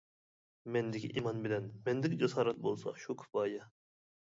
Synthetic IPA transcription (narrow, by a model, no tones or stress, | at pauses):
mɛnd̪ɪkʲʰḭʔimɑnbɪlɛnmɛnd̪ɪkʲd͡ʒɑsɑːɾɛt̪̚bolˠsɑ̰ʃukʲʰi̥bɑːjɛ